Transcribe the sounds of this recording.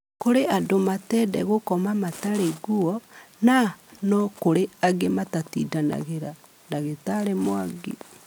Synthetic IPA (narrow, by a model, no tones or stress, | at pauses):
koɾeadomatɛdɛ̰ɣokɔmamataɾeɡuɔnanɔkoɾeaɡematatḭːdana̰ɣeɾa | naɣetaɾemwaɡḭ